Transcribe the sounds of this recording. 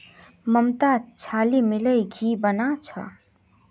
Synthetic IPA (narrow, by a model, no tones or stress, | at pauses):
məmt̪at͡ʃʰalimiləjɡʱibənat͡ʃʰə̰